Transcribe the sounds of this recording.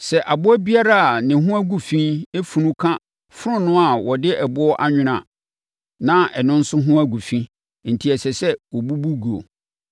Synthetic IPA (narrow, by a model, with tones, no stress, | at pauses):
sɛ˨ʔa˨bʊ˦æ˦bi˦a˦ɾa˦a˨nɪ̃˨ɦʊ̃˦æ˦ɡu˨fĩ˦e˦fu˨nũ˦kʰã˦ | fʊ˦ɾʊ̃˦nʊ̃˦a˨wɔ˨dɪ˦ʔɛ˨bʊ˦ɔ˦ʔa˦ɲᶣʊ̃˨ɾ̃ã̰˨ | nã˦ɛ˨nʊ̃˦n̩˦sʊ˦ɦʊ̃˦æ˦ɡu˨fĩ˦ | n̩˨tʰi˨ɛ˨sɛ˨sɛ˦wɔ˨bu˦bu˦ɡu˨o̰˨